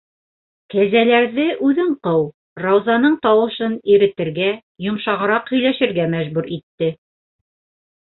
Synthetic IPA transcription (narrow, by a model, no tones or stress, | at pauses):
kæzælæɾðɘʔʉðɘɴqɤw | rɑwzɑnɤɴt̪ɑwɤ̆ʃɤniɾɘ̆t̪ɘ̆ɾɡæ | jŏmʃɑʁɤ̆ɾɑqhɵ̆jlæʃɘ̆ɾɡæmæʒbʉɾit̪ːɘ